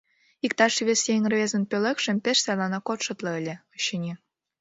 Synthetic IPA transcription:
ikt̪ɑʃβʲesjeŋʲərβʲezə̆npʲølʲekʃə̆mpʲeʃsɑjlɑnɑkot̪ʃɤ̆t̪lˠɤ̆ə̆lʲĕoɕinʲi

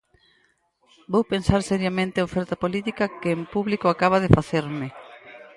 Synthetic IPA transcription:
bowpensaɾsɛɾjamẽnt̪ɪaofɛɾt̪apolit̪ikɐkeːmpuβlikoakaβ̞að̞efaθeɾmɪ

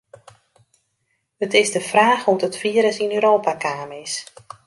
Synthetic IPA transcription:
hətɪzdəfraːxutətfiəɾəsinøːɾoːpakaːmɪs

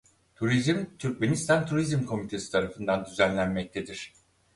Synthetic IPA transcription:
t̪ʰuɾizmt̪ʰyɾcme̞nist̪ʰant̪ʰuɾizmkʰo̞mit̪ʰe̞si̥t̪ʰaɾafɯnd̪and̪yzænlʲænmɛc̚t̪ʰed̪iɾ̥

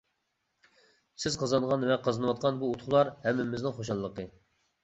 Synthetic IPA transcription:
sɪz̥qʰɑzɑnʁɑnvɛqʰɑzɨnɨwɑt̪̚qʰɑnbuut̪χʊlˠɑɾhɛmːɪmɪznɪŋχoʃɑlˠːəqə

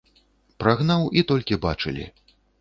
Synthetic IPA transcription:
pɾaɣnawit̪ɔlʲkʲibat͡ʂɨlʲḭ

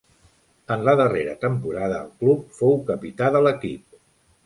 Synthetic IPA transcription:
ənləðəreɾət̪əmpuɾaðə̰ːlˠklup̚fowkəpit̪aðələkḭp̚

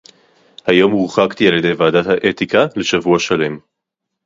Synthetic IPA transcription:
hajo̞mʁuχakt̪ialjede̞jvaːdat̪haʔet̪ikale̞ʃavuaʃale̞m

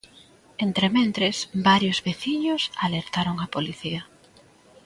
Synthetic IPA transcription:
ent̪ɾemẽnt̪ɾesbaɾjozβeθiɲʊsaleɾt̪aɾoŋapoliθiɐ

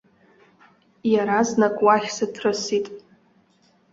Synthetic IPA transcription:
jaɾaznakʼwaχʲsatʰrɨsitʼ

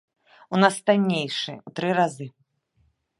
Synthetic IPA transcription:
unast̪anʲːejʂɨut̪ɾɨɾazɨ

